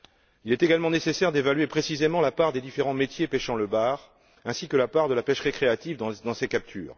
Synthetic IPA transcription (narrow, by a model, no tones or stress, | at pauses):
ilɛt̪eɡalmɑ̃nesesɛʁd̪evalɥepχesizemɑ̃lapaʁd̪ed̪ifeʁɑ̃met̪jepeʃɑ̃ləbaːʁ | ɛ̃sikəlapaʁd̪əlapɛʃʁekχeat̪ivd̪ɑ̃sekap̚t̪ʰy̰ːʁ